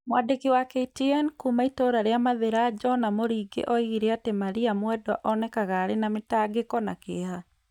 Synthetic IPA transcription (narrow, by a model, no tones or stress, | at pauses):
mwadekiwakɛitiɛnkumaitoːɾaɾeamaðeɾad͡ʒɔnamoɾiːɡḛʔɔiɣiɾeatemaɾiamwɛdɔʔɔnɛkaɣaːɾenametaːɡekɔnakeɦa